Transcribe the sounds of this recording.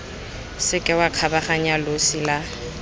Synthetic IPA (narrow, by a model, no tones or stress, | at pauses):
sɪkʼɛwakʰabaχaɲalosila